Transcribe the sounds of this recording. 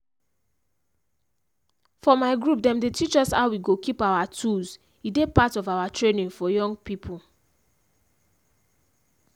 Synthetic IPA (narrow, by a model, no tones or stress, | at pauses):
fɔmaɪɡɹup̚dɛ̃mdetit͡ʃɔshaʊwiɡokipawatʰuz | idepatɔvawatɹenĩnfɔjɔ̃ŋɡpipʰu